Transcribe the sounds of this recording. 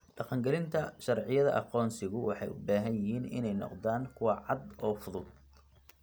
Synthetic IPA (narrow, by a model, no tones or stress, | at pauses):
ɖɑqɑŋɡɛlɪnt̪ʰɐʃɑrʕɪjɐðɐ̰ʔɑ̰qɔːnsɪɣʊwɑħɑjʔʊbaːɦɐnjɪɦiːnɪ̰nɛjnɔ̰qðaːŋkʰʊwɑʕɑd̪ɔːfʊðʊd̪̚